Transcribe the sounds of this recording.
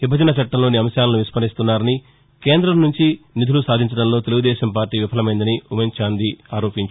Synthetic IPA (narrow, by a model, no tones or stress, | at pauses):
ʋibʱːɐd͡ʒɐnɐt͡ʃɐʈːɐlo̞ːniɐmɐʃjaːlɐnuʋispɐɾist̪unːaːɾɐni | ke̞ːnd̪ɾɐmnuɲt͡ʃinid̪ʱulusaːd̪ʱiɲt͡ʃɐɽɐnlo̞ːt̪eluɡud̪ɛːʃɐmpaːɾʈːiːʋipʰɐlɐmɐjind̪ɐniument͡ʃaːnd̪iaːɾo̞ːpiɲt͡ʃ